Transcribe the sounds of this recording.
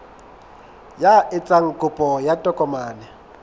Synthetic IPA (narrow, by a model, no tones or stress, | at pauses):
jaɪt͡sʼaŋ̩kʼʊpʼɔjatʼɔkʼɔmaːnɛ